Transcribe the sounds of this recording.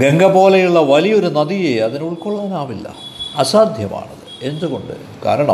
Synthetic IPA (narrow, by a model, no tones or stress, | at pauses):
ɡe̞ŋɡɐbo̞ːlɐjuɭːɐʋɐlijo̞ɾunɐðijeɐðinuɭkoɭːɐðinaːʋilːɐ̰ɐsaːd̪ʱjɐma̰ːɳɐðɨe̞nd̪uɣo̞ɳɖɨ̰ | ka̰ːɾɐɳɐ̰m